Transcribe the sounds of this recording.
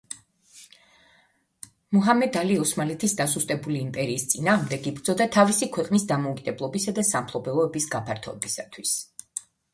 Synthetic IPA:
muɦamɛd̪aliɔsmalɛt̪ʰisd̪asust̪ʼɛbuliːmpʼɛɾiːst̪sʼinaːʁmd̪ɛɡibɾd̪zɔd̪at̪ʰavisikʰwɛqʼnisd̪amɔukʼid̪ɛblˠɔbisad̪asampʰlˠɔbɛvɔɛbisɡapʰaɾt̪ʰɔ̰ɛbisat̪ʰwis

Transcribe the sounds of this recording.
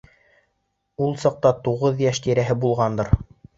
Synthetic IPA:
ulˠsɑq̚t̪ɑt̪uʁɤðjæʃt̪iɾæɦɘbulˠʁɑnd̪ɤɾ

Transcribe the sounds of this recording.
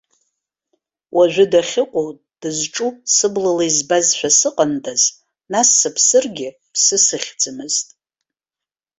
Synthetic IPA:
wʔaʒᶣʷɪdaχʲɪqʷʼo | d̥ɨzʈ͡ʂʼusɨblalaizbazʃʷᶣasɨqʼəndʰʼaz | nasːapʰsɨrɡʲɪ | pʰsɨsɨχʲd͡zɨmɨztʼ

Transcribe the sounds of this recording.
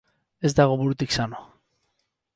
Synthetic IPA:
e̞zd̪aɣ̞oβuɾut̪iksano

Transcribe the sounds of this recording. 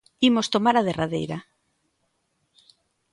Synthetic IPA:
imost̪omaɾaðeraðḛjɾa

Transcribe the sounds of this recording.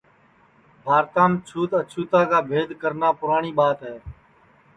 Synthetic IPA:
bʱaːɾt̪ãːmt͡ʃʰuːt̪ət͡ʃʰuːt̪aːkaːbʱeːd̪ʱkəɾnaːpʊɾaːɳiːɓaːt̪ɦɛː

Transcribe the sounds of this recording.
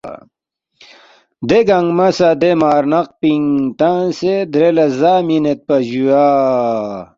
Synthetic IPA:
d̪eɡaŋmɐsad̪emaːɾnɐq̚piŋt̪ansed̪ɾelɐszaːminet̪̚pɐʑua

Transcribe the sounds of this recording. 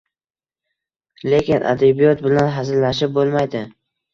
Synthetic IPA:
le̞kʲɪnʔa̰d̪ebijɒt̪̚bɪlanɦazɪllaʃɪp̚bolˠmajd̪ɪ

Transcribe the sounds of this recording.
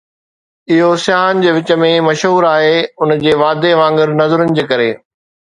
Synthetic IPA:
ɪɦosjaːɦənɪ̆d͡ʑeːʋɪt͡ɕə̆mẽmɐʃɦuːɾaːɦeːʊnd͡ʑeːʋaːd̪eʋãːŋɡɪɾnɐzəɾənɪ̆d͡ʑeːkɐɾḛː

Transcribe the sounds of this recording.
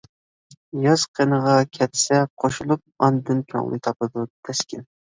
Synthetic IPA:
jɑz̥qʰenəʁɑkʲʰɛt̪sɛqʰoʃulˠup̚ɑnd̪ɨnkʲʰo̰ŋlˠɨ̰t̪ʰɑpɨd̪ut̪ʰɛskʲɪn

